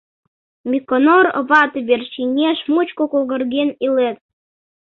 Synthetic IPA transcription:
mʲikonoɾə̰̆βɑt̪βʲerʃinʲeʃmut͡ɕkokolˠɣə̆rɣenilet̪̚

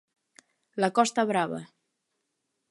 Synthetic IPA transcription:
lakɔst̪əβɾaβə̰

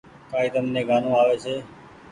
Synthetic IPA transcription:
kaːiːt̪əmnẽːɡaːnõːaːʋeːt͡ʃʰeː

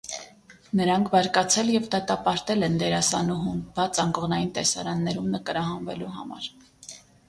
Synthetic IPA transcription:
nəɾɑŋkʰbɑɾkɑt͡sʰɛljɛvd̪ɑt̪ɑpɑɾt̪ɛlɛnd̪ɛɾɑsɑnuɦumbɑt͡sɑŋkɔʁnɑjint̪ɛsɑ̰ɾɑnːɛɾumnəkəɾɑɦɑnvɛluɦɑ̰mɑ̰ɾ

